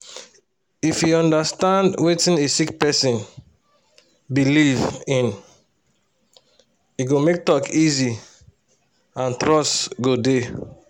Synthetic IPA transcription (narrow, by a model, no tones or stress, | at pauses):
ifjuɔ̃ndastãndwetĩnesikpɛsĩn | bilivĩn | jiɡomek̚tɔkʰizi | ãntɹɔstɡode